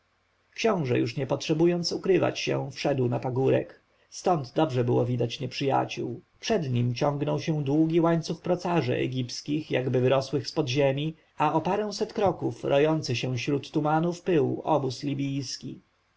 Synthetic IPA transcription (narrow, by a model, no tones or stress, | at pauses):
kɕɔ̃w̃ʐɛ̰juʂɲɛpɔtʂɛbujɔnt̪sukɾɘva̰t͡ɕɕɛ̰̃fʂɛd̪wnapaɡuɾɛ̰k | st̪ɔnd̪d̪ɔbʐɛbɘwɔvʲid̪at͡ɕɲɛpʂɘja̰t͡ɕuw | pʂɛd̪ɲimt͡ɕɔ̃ŋɡnɔwɕɛ̃w̃d̪wuɡʲiwaɲt̪suxpɾɔt̪saʐɛ̰ʔɛ̰ɡʲipskʲixjaɡbɘvɘɾɔswɘxspɔd̪ʑemʲi | aɔpaɾɛ̃w̃sɛt̪kɾɔkufɾɔjɔnt̪sɘɕɛ̃ɕɾut̪ːumanufpɘwɔbuslʲibʲijskʲi